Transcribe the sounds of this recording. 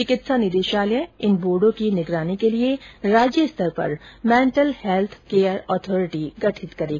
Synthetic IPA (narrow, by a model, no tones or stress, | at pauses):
t͡ʃɪkɪt̪sanɪd̪eːʃaːljə̃ɪnboːɖõkinɪɡɾaːnikelieɾaːd͡ʒjəst̪ʰəɾpɐ̰ɾmɛ̃ːɳʈəlhɛlt̪ʰkeːəɾɔːt̪ʰɔːɾɪʈiɡɐʈʰɪt̪kɐɾeːɡa